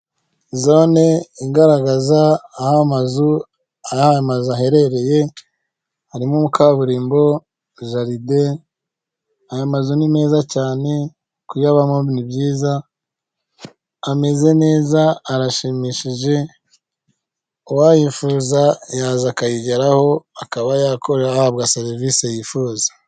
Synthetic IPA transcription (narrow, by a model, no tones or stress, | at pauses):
zo̞neiɡaɾaɡazaːhamazu | aaaamazuaɦe̞ɾe̞ɾe̞je̞ | haɾimumukaβuɾiːmbo̞ | ʒaɾide | ajomazunime̞ːzacaːne̞ | kujaβamoβnibjiːza | me̞ze̞ne̞ːzaːɾaʃimiʃiʒe̞ | uwajifuːzajaːzakajiɟaɾaho̞akaβajakʰo̞ɾeɾahaβɡaseɾivisajifuːzḁ